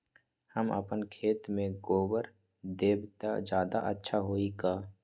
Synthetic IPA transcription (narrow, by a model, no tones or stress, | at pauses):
həmə̰pənkʰeːt̪mẽɡoːbəɾ | d̪eːbt̪a̰d͡ʒjaːd̪a̰ʔətːʃʰaɦoːiɡaː